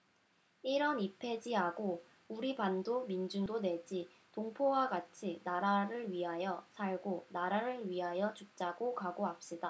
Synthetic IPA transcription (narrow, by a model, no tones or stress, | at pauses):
iɾʌnipʰe̞d͡ʑiɦaɡo | uɾibandomind͡ʑundone̞d͡ʑi | toŋpʰowaɡat͡ɕʰinaɾaɾɯɭɥiɦajʌsʰaɭɡonaɾaɾɯɭɥiɦajʌt͡ɕuk̚t͡ɕ͈aɡokaɡoap̚ɕ͈ida